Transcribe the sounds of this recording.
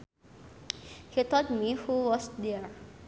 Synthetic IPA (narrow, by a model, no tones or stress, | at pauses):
hit̪ɔt̚mihuwɔsdɛɹ